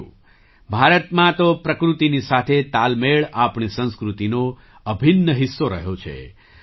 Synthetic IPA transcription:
ṵ̃ | bʱaɾət̪mãt̪opɾəkɾut̪inisat̪ʰet̪almeɭapɳisə̃nskɾut̪ino | əbʱinːəɦɪsːoɾəɦjot͡ʃʰḛ

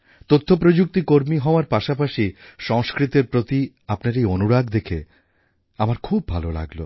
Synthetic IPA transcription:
t̪ot̪ʰːop̬ɾod͡ʑuk̚t̪ikoɾmiɦɔoaɾpaʃapaʃiʃɔŋʃkɾit̪eɾpɾot̪i | apnaɾejonuɾaɡd̪ekʰḛ | amaɾkʰubʱalola̰ɡlo̰

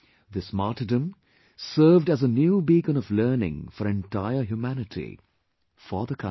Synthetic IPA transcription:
ðɪsmaʈɨdə̃m | sɜːvɖæzənjuːbikə̃nɔvlɜːnɪ̰̃ŋfɔɾɛ̃nʈaɪəɦjumænɪtʰḭ | fəðəkʰʌ̰̃

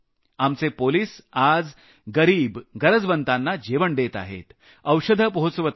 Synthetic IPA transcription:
amt͡sepoliːsad͡z | ɡəɾiːbɡəɾəd͡zbənt̪anːad͡ʑeʋəɳɖ̪et̪a̰ɦḛt̪ | əwʂəd̪ʱəpəɦot͡sʋət̪

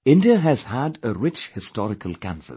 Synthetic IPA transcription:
ɪ̃ndəɨz̥hədəɹɪt͡ʃhɨstɔɹɨkʰəlˠkʰãɱvə̰s

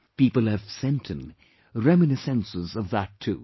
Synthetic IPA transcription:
pipəl̩ˠɨv̥sɛ̃ntʰɨ̃n | ɹɛmɨnɨsɛ̃nsɨzʌvðətʰʉ

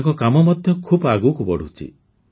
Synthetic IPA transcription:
ŋkɔkamɔmɔd̪ʱjɔkʰubaɡukubɔɽ̤ut͡ʃʰḭ

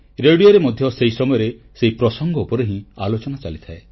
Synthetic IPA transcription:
ɾeɽijoɾemɔd̪ʱjɔseɦisɔmɔjɔɾe | seɦipɾɔsɔŋɡɔupɔɾeɦĩalot͡ʃɔnat͡ʃalit̪ʰae

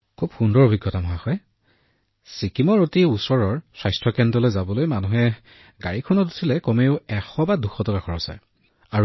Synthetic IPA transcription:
kʰub̥xundɔɹobʱiɡjɔtamɔɦaxɔj | sikimɔɹotiusɔɹɔɹswajstʰɔkɛndɔlojzabɔlojmanuɦɛ | ɡaɹikʰɔnɔtu̥tʰilɛkɔmeʊɛxɔbaduxɔtɔkakʰɔɹɔsa̰j | aɹu

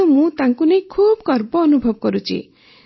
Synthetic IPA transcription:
umũt̪aŋkunejkʰubkɔɾbɔːnubʱɔbɔkɔɾut͡ʃʰḭ

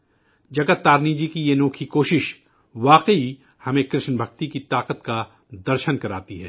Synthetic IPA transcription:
d͡ʒɐɡət̪ːaːɾniːd͡ʒikijenõːkʰikoːʃɪʃ | ʋaːqəi | hɐmẽkɾɪʃnbʱɐk̚t̪ikit̪aːqət̪ka | d̪ɐɾʃənkɐɾaːt̪iɦɛ̰ː

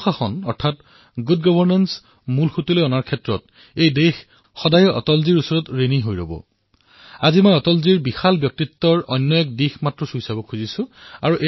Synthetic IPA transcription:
xaxɔnɔ̰ɹtʰat | ɡud̚ɡɔbʱɔɹnans | mulxutilojɔnaɹkʰɛtɹɔt | ejdex | xɔdajɔʔɔ̰tɔlziɹusɔɹɔtɹeniɦojɹo̰bɔ̰ | azimɔjɔtɔlziɹbixalbjɔk̚titːɔɹɔjnːɔɛk̚dixmatɹɔsuisabɔkʰuzisʊ̃a̰ɹuʔe

